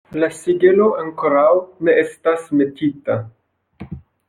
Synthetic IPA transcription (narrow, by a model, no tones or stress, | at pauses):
lasiɡelo̞aŋkoɾawne̞e̞stasme̞tita